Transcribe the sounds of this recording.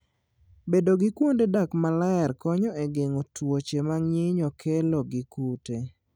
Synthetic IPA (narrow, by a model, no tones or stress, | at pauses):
bedoɡɪkwondedakmalaɛrkɔɲɔeɡeŋotwot͡ʃemaŋɲɪɲɔkʰeloɡɪkute